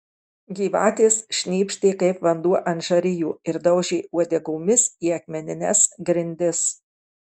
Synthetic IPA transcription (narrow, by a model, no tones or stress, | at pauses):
ɡʲiːʋɑ̰ːt̪ʲeːsʃʲnʲiːpʲʃʲt̪ʲeːkɐɪpʋɐnd̪uɔʔɐnt̪ʒɐɾʲɪjuːɪɾd̪ɐʊʒʲɛɪuɔd̪ʲɛɡoːmʲɪsiːɐkmʲɛnʲɪnʲɛsɡɾʲɪnʲd̪ʲɪs